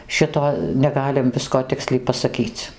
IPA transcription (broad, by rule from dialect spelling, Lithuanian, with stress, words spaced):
ˈʃʲɪtoː nʲɛˈɡɑːlʲɪm ˈʋʲɪskoː ˈtʲɪksʲlʲɛɪ pɐsɐˈkʲiːt͡s